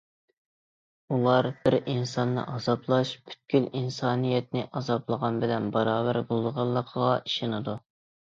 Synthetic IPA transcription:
ulˠɑɾbɪɾinsɑnːɨ̰ʔɑzɑplˠɑʃpʰy̥t̪̚kʲylinsɑːnijɛt̪̚nɪʔɑzɑplˠəʁɑnbɪlɛnbɑɾɑːbæɾbolˠd̪ʁɑlˠːəqʰəʁɑiʃɪnɨd̪u

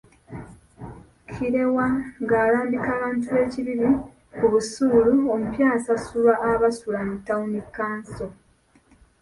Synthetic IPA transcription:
cʰiɾe̞waŋɡaːɾaːmbikaːβaːntue̞ːciβiɾi | kuβusuːluomupjaːsasulaʔːβasulamutːaunikːaːnso̞

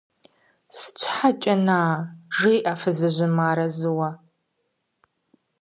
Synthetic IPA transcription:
sɨ̥t͡ɕʷʰħat͡ʃʼɐnaːʒijʔafɨzɨʑʷɪmaːɾɐzɨwɐ

